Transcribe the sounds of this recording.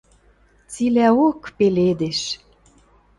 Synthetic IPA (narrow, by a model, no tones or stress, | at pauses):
t͡silæokpeled̪eʃ